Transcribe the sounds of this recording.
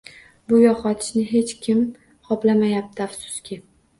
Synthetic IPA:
bʊjɒχɒt̪ʰɪ̥ʃnɪɦe̞t͡ʃkʲʰɪm | qʰɒplamajap̚t̪ʰɪafsʊ̥skʲɪ

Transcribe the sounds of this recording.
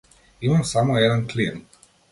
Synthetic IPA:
imamsamɔɛd̪ənklin

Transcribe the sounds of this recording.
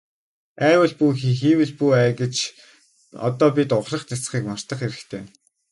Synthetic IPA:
æːwə̆ɮpuxixiːwɘ̆ɮpuæːɡĕt͡ɕ | ɔ̰t̪ɔːpʲit̪ʊχrə̆χt̪asχiːkmɔr̥t̪ə̆χeɾɘ̆xt̪ʰeː

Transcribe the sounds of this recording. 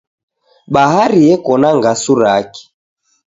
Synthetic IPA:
ɓaɦaɾiɛkɔnaŋɡasuɾaki̥

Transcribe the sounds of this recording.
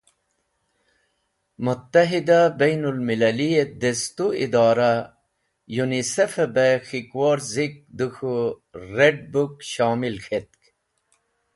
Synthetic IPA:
mut̪ːɐɦid̪abɐjnulmilɐlijed̪est̪uid̪ɑːɾa | junisɐfebexikwoɾzik̚d̪uxuɾeɖ̚bukɕɑːmilxʰet̪̚k

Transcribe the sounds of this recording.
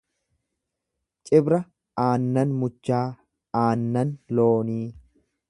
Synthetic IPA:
t͡ʃʼɪbɾɐ | aːnːɐnmʊt͡ʃːaː | aːnːɐnloːniː

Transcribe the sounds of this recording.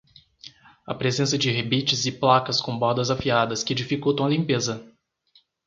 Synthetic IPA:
ɐ̰pɾezẽsɐd͡ʒɪɦebit͡ʃɪzɪplakɐskõbɔɾd̪ɐzafiad̪ɐskɪed͡ʒifikowt̪ɐ̃ɐlĩmpezɐ

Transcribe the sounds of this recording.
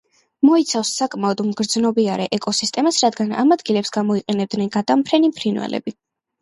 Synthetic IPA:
mɔit̪sʰafsːakʼmaɔd̪mɡɾd̪znɔbiaɾɛʔɛkʼɔsist̪ʼɛmasɾad̪ɡana̰mad̪ɡilɛpsɡamɔiqʼɛnɛb̚d̪nɛnɡad̪ampʰɾɛnimpʰɾinwɛ̰lɛ̰bi

